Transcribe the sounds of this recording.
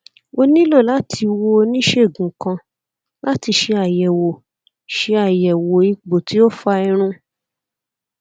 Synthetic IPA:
o˧nĩ˦lɔ˦˨la˨˦tʰi˧wo˧o˧nĩ˦ʃe˦˨ɡũ˨kã˧ | la˦ti˧ʃe˧a˨jɛ˨wo˨ | ʃe˧a˨jɛ˨wo˨i˧k͡po˨ti˨˦o˦fa˧i˧ɾ̃ũ˧

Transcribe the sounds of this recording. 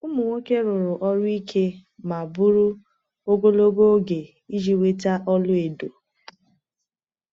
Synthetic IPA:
ʊ˦mʊ˨ŋʷo˦ke˦ɾʊ˨ɾʊ˨ʔɔ˦ɾʊ˦i˦kʰe˦ma˨bʊ˦ɾu˦ | o˦ɡo˦lo˦ɡo˦ɡe˨ | i˦d͡ʒi˨we˦ta˦ʔɔ˦lʊ˦e˨do˨

